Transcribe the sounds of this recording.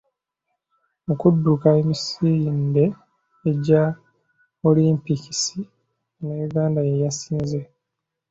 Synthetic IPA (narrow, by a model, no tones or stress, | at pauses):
okudːukaemisindeː | ɟa | muliːmpici̥si | nejuɡaːndajejasiːnze